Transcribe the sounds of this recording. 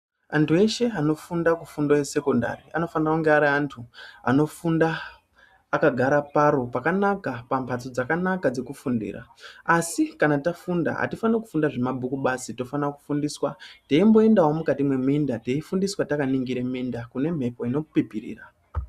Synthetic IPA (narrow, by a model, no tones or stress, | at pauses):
a̰ntue̞ʃe̞ano̞fundakufundoje̞se̞ko̞nda̰ria̰no̞fanirauŋɡeaɾiantʰua̰no̞fundaː | kaɡʱaɾapaɾo̞pakanakapampʰat͡so̞d͡zakanakad͡ze̞kufundḭːra̰asikanatafunda̰a̰tifaneku̥fundaʐe̞mabʱukuɓasito̞fanaku̥fundiːswateimbo̞e̞ndaɦwo̞mukatimwe̞mindateifundiswatakaniŋɡiɾemindakune̞m̤e̞po̞ino̞pipirḭːra̰